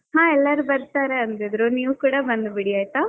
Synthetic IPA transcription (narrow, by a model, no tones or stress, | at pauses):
ɦãːɛlːɐɾubɐɾt̪aːɾeɐnt̪id̪ɾuniːʋukuːɽɐbɐnd̪biɽiaːjt̪a